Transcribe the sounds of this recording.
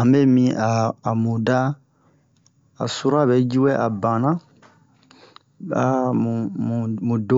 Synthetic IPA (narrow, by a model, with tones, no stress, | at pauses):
ã˨be˦mĩ˦ʔaː˨mũ˨da˦ | a̰˨su˦ɾa˦bɛ˦d͡ʒu˦wɛ˦ʔa˨bã˨nã˦ | a˨ | u˨mũ˨dõ˦